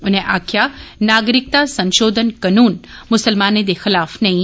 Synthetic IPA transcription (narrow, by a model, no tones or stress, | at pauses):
ʊnɦẽʔaːkʰjanaːɡɾɪk̚t̪asɐ̃nʃoːd̪ʱənkɐnuːnmʊsəlmaːned̪exɪlaːfnɐɦĩ